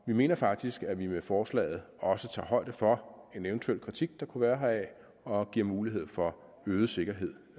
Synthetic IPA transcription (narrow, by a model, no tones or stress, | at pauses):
ʋime̝̰ːnɐfɑ̈ɡ̥̚d̥isɡ̥æʋimefɒːslɛ̰ɪð̞̩ˠ | ɒ̽sət͡sʰɑ̰̈ːɦɒ̽ɪ̰d̥əfɒ̽e̝nent͡sʰuel̰kʰʁit͡sʰiɡ̥̚d̥ɑ̈kʰuʋæːɐɦɑɛ | ɒ̽ɡ̥ḭɐ̰muːliɦe̝ð̞̰ˠfɒ̽ | øːð̞̩ˠse̝ɡ̥ɐɦe̝ð̰ˠ